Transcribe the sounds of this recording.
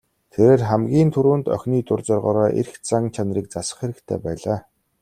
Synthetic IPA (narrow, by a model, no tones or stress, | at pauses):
t̪ʰeɾeːrχæmɡʲiːnt̪ʰɵɾuːnt̪œ̰xʲniːt̪ʊrt͡sɔːrʁɔːɾɔːʔḛrxt͡saŋt͡ɕʰanriːk̚t͡sasə̥̆χxeɾɘ̆kt̪ʰḛːpæːɮaː